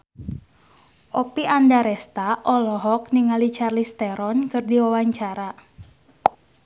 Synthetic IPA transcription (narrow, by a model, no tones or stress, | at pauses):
ʔɔpiʔandaɾɛst̪aʔɔlɔɦɔkniŋalit͡ʃarlist̪ɛɾɔnkɨrdiwawaɲt͡ʃaɾa